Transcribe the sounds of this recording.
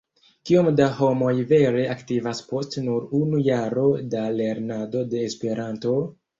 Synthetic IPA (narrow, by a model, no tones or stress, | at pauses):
kiomdaho̞mo̞jve̞ɾe̞aktivaspo̞stnuɾunujaɾo̞dale̞ɾnado̞de̞ːspe̞ɾanto̞